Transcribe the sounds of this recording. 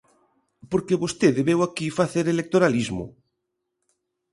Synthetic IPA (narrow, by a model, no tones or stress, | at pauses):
poɾkeβost̪eðeβewakifaθeɾelek̚t̪oɾalizmo̰